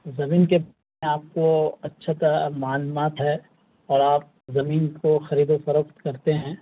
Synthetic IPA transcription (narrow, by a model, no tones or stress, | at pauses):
zɐmiːnkeba | eaːp̚koɐtːʃʰat̪ɐɾamaːnmaːt̪ɦɛː | ɔːɾaːp̚ | zɐmiːnkoxɐɾiːd̪ofɐɾəkt̪kɐɾt̪eɦɛ̃ː